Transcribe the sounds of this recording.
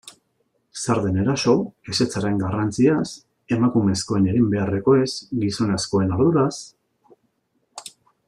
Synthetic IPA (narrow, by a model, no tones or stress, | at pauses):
saɾðe̞ne̞ɾaso̞ese̞t͡saɾe̞ŋɡarant͡sias | e̞makume̞sko̞e̞neɣimbe̞are̞ko̞e̞sɡiso̞nesko̞e̞noɾðuɾas